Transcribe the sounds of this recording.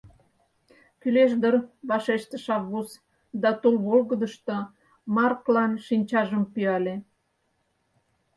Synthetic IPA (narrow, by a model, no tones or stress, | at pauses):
kyleʃ̬d̪ərβɑʃeʃt̪ə̆ʃɑvɣus | d̪ɑt̪olβolɣəd̪əʃt̪ŏ | mɑrklɑnʃinʲt͡ɕɑʒəmpyɑle